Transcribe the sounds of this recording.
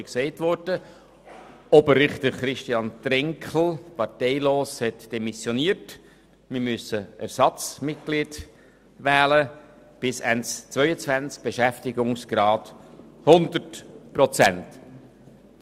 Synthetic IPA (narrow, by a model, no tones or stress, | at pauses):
ksɛɪtvɔɾd̥ə | ɔbəɾːɪχt̪əχɾɪʃtiɑnt̪ɾɪŋkl̩ˠpɑɾtɛɪloːshɛtd̥ɛmisjɔniəɾt | mɪɾmʏsəʔæ̰ɾsɑt͡smɪt̚ɡ̥liːd | væːlə | b̥ɪsænt͡st͡sʋœʏət͡svænt͡sk̚b̥eʃæftɪɡʊŋsɡ̥ɾɑːthʊnd̪əɾtpɾɔt͡sænt